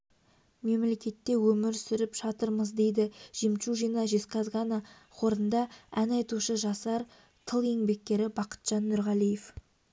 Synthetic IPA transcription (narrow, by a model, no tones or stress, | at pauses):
me̞mle̞kʲe̞t̪ːe̞wɵmɪɾsʏɾɪpʒ̥ɑt̪əɾməzd̪e̞jd̪ɪʒ̥imʃuʒijnɑʒesqɑzʁɑnɑ | χʰo̞ɾənd̪ɑænɑjt̪uʃəʒɑsɑɾ | t̪ʰəlˠje̞ŋbe̞k̚ʲkʲe̞ɾɪbɑqə̥t̪ʒ̥ɑnːʏɾʁɑlijef